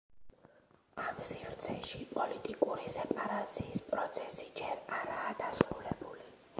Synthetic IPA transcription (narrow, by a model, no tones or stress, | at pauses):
amsivɾt̪sʰɛʃipʼɔlit̪ʼikʼuɾisɛpʼaɾat̪sʰiːspʼɾɔt̪sʰɛsid͡ʒɛɾaɾaːd̪asɾulɛbuli